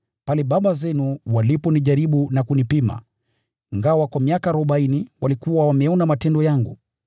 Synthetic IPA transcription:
palɛɓaɓazɛnuwalipɔniʄaɾiɓunakunipima̰ | iŋɡawakwamiakaːɾɔɓainiwalikuwawamɛɔnamatɛndɔjaŋɡu

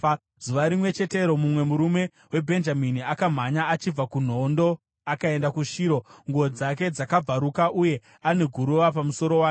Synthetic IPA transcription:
zuʋaɾimwe̞t͡ʃe̞te̞ɾo̞mumwe̞muɾume̞ | we̞bʱe̞nd͡ʒaminiakam̤aɲaat͡ʃib͡vakun̤o̞ndo̞ | akae̞ndakuʃiːɾo̞ŋɡuod͡zake̞d͡zakab͡vaɾukaʔuje̞ | ane̞ɡʱuɾuʋapamuso̞ɾo̞wa

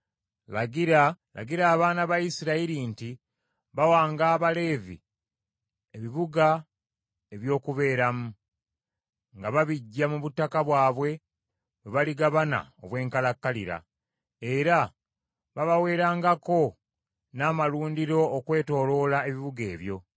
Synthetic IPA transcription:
laɡiɾala̰ɡiɾaːβaːnaβajisiɾaiɾinti | βawaːŋɡaːβale̞ːvḭ | e̞βiβuɡa | eβjo̞ːkuβe̞ːɾamu | ŋɡaβaβiɟːamuβutːakaβwaːβwe̞ | weβaliɡaβana̰o̰βwe̞ːŋkalakːalḭɾa̰ | e̞ɾa | βaβawe̞ːɾaːŋɡako̞ | naːmaluːndiɾo̞ːkwe̞ːto̞ːlo̞ːlae̞βiβuɡe̞ːβjo̞

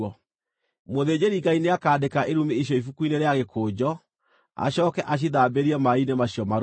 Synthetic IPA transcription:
ɔ | moðed͡ʑeɾiɡaineakaːdekaʔeɾumeːɕ̬jɔifukuineɾeaɣekʰoːd͡ʑɔ | a̰ɕɔːkɛʔaɕ̬iðaːbeɾiɛmainemaɕiɔmaɾ

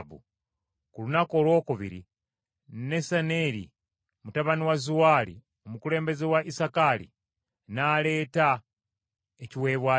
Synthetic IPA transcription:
βṵ | kulunakolwo̞ːkuβḭɾḭ | nesaneɾḭ | mutaβaniwazuwaːlḭ | o̞mukule̞ːmbe̞zewaʔisakalḭ | naːle̞ːta | eciwe̞ːβwa

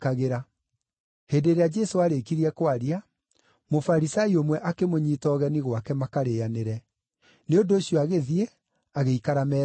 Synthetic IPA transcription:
kaɣeɾa | heːndeɾead͡ʒɛsoaɾekiɾiɛkwaɾia | mofaɾisaiomwɛʔakemoɲiːtɔːɣɛniɣwakɛmakaɾeaneɾɛ | neondoːɕjɔaɣeðie | aɣeikaɾamɛ

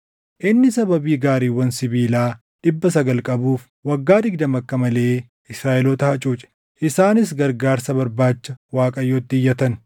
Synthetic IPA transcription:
ʔɪnːɪsɐbɐbiːɡaːɾiːwɐnsɪbiːlaː | ᶑɪbːɐsɐɡɐlkʼɐbuːf | wɐɡːaːd̪ɪɡ̚d̪ɐmɐkːɐmɐle̞ː | ɪsɾaːʔɛloːt̪ɐhɐt͡ʃʼuːt͡ʃʼɛ̥ | ʔɪsaːnɪs̬ɡɐɾɡaːɾsɐbɐɾbaːt͡ʃːɐwaːkʼɐjːoːt̪ːɪjːɐt̪ɐn

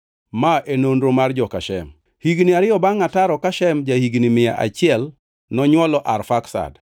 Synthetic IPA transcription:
maenondɾomard͡ʒɔkaʃɛ̰m | hiɡniaɾɪjɔbaŋataɾɔkaʃɛmd͡ʒahiɡnimɪja̰ʔa̰t͡ʃɪɛl | nɔɲwɔlɔʔarfaksa̰d

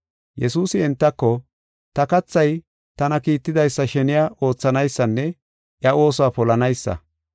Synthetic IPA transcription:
jɛsuːsɪɪnt̪ːɐkːɔ | t̪ɐkɐt͡sːɐj | t̪ɐnɐkiːt̪ːɪd̪ɐjsːɐʃɛnɪjaʔo̞ːt͡sːɐnɐjsːɐnːɛ | ʔjɐʔo̞ːsɔaːpɔlɐnɐjsːɐ̰

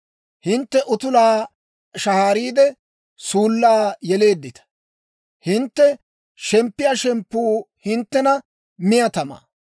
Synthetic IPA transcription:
hɪnt̪ːɛʔʊt̪ʊlaː | ʃɐhaːɾiːd̪ɛ | suːlːaːjɛle̞ːd̪ːɪt̪ɐ̥ | hɪnt̪ːɛ | ʃɛmpːɪjaːʃɛmpːuː | hɪnt̪ːɛnɐ | mɪjɐt̪ɐma̰ː

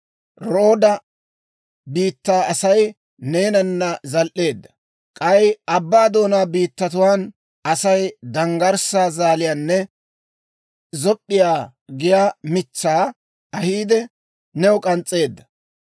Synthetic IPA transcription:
ɾo̞ːd̪ɐ | biːt̪ːaːɐsɐj | ne̞ːnɐnːɐzɐlʔe̞ːd̪ːɐ̥ | kʼɐjɐbːaːd̪o̞ːnaːbiːt̪ːɐt̪ʊwaːn | ɐsɐjd̪ɐŋɡɐɾsaːzaːlɪjanːɛ | zɔpʼːɪjaː | ɡɪjaːmɪt͡sːaː | ɐhiːd̪ɛ | nɛɔkʼɐnt͡sʼːe̞ːd̪ːɐ̥

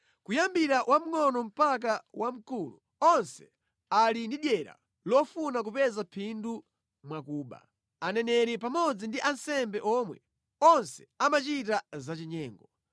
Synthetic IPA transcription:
kujambiɾawʔam̩ŋɔnɔm̩pak̬awʔam̩kulṵ | ɔnsɛ̥ | alindiɗjɛɾa̰ | lɔfunak̬upɛzapʰindu | mwakuːɓa̰ | anɛnɛɾipamɔd͡zindiʔansɛmbɛʔɔmwɛ̰ | ɔnsɛ̥amat͡ʃitazat͡ʃiɲɛːŋɡɔ

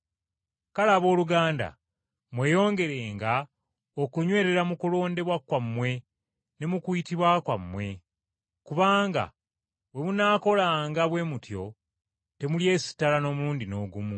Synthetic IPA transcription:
kalaːβo̞ːluɡaːnda̰ | mwe̞ːjo̞ːŋɡe̞ɾe̞ːŋɡa | okuɲwe̞ːɾe̞ɾamukulo̞ːnde̞βwakwamːwe̞ | ne̞mukwitiβwakwamːwe̞ | kuβaːŋɡa̰ | we̞munaːko̞laːŋɡaβwe̞ːmutjo̞̰ | te̞mulje̞ːsi̥tːalano̞muːndino̞ːɡumu

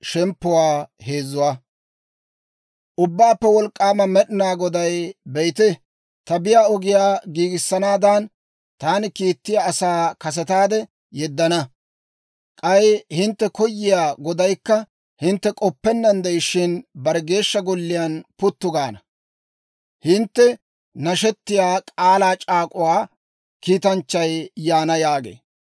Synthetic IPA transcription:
ʃɛmpːʊwaːhe̞ːzʊwaː | ʔʊbːaːpːɛwɔlkʼːaːmɐmɛɗɪnaːɡɔd̪ɐjbɛjt̪ɛ | t̪ɐbɪjaːɔɡɪjaːɡiːɡɪsːɐnaːd̪an | t̪aːnɪkiːt̪ːɪjaːsaːkɐs̬ɛt̪aːd̪ɛ | jɛd̪ːɐnɐ | kʼɐjhɪnt̪ːɛkɔjːɪjaːɡɔd̪ɐjkːɐ | hɪnt̪ːɛkʼɔpːɛnːɐnd̪ɛjɪʃɪnbɐɾɛɡe̞ːʃːɐɡɔlːɪjaːnpʊt̪ːʊɡaːnɐ | hɪnt̪ːɛ | nɐʃɛt̪ːɪjaːkʼaːlaːt͡ʃʼaːkʼʊwaː | kiːt̪ɐnt͡ʃːɐjjaːnɐjaːɡḛː

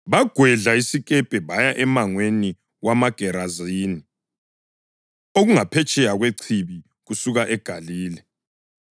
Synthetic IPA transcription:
βaɡ̥ʱwɛɮaisiɣʼɛpʼɛβajaʔɛmaŋweni | wamaɡ̥ʱɛɾaziːni | oɣuŋapʰɛt͡ʃʼɛjaɣweǀʰiβi | ɣusuɣaʔɛɡ̥ʱaliːlɛ

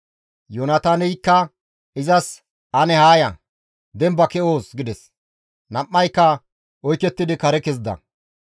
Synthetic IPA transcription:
jonɐt̪aːnɛjkːɐ | ɪzɐs | ɐnɛhaːjɐ | d̪ɛmbɐkɛoːsɡɪd̪ɛs | nɐmːɐjkːɐ | ʔɔjkːɛt̪ːɪd̪ɪkɐɾɛkɛzd̪ɐ̰

